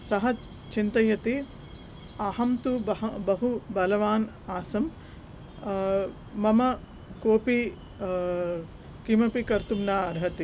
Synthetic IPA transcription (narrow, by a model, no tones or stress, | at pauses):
sɐɦɐ | t͡ʃint̪ɐjɐt̪i | ɐɦɐmt̪ubɐbɐɦubɐlɐʋaːn | aːsɐm | ɐmɐ | koːpi | kimɐpikɐɾt̪umnaːɐɾɦɐt̪i